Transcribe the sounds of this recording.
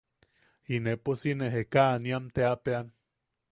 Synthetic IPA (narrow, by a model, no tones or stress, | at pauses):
ineposineɦekaʔniamt̪eapean